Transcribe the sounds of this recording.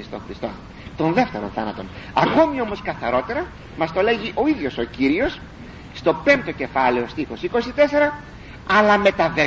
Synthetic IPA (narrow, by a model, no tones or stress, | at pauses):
st̪oŋxɾist̪o̞̰ | t̪o̞nðe̞ft̪e̞ɾo̞nθɐnɐt̪o̞nɐ̰ko̞mio̞mo̞skɐθɐɾo̞t̪e̞ɾɐ | mɐst̪o̞le̞ʝiʔo̞iðʝo̞so̞ciɾio̞s | st̪o̞pe̞mpt̪o̞ce̞fɐle̞o̞st̪ixo̞siko̞sit̪e̞se̞ɾɐ | ɐlɐme̞t̪ɐðe